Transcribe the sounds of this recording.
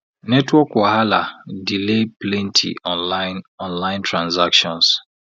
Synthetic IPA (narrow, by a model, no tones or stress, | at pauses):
nɛtwɔkwaɦala̰dileplɛ̃ntʰḭʔɔ̃nlanɔ̃nlãɪ̃ntɹãnzakʃɔ̃ns